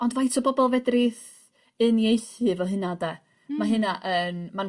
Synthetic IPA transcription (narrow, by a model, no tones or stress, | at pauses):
ɔndvajtʰɔbɔbɔlˠvɛdrɪθ | ɨnjejθɨvɔɦɨnadɛ | maɦɨnaʔənman